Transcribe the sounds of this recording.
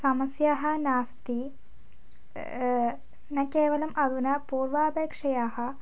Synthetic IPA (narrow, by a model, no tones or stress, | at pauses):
sɐmɐsjaːɦɐnaːst̪i | nɐkeːʋɐlɐmʔɐðunɐpuːrʋaːbeːkʂɐjaːhɐ